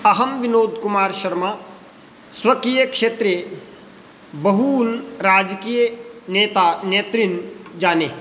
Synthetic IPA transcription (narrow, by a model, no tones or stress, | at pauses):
ɐɦɐmʋɪnoːd̪ʱkʊmaːɾʃɐɾma | swɐkiːjəkʃeːt̪ɾe | bɐɦuːlɾaːd͡ʒkiːjəneːt̪aːneːt̪ɾind͡ʒaːneː